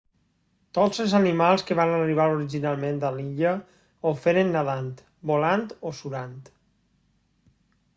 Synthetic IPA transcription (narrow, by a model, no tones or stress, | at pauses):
t̪ozəlˠzanimalˠskəβanariβ̞aɾoɾiʒinalˠmẽnd̪aliʎə | ofeɾenːaðant̪ | bolant̪osuɾant̪